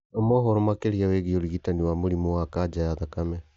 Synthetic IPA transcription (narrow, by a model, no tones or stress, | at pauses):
ɔmɔɦɔɾomakeɾiaweɣioɾiɣitaniwamoɾimowakad͡ʒajaðakamɛ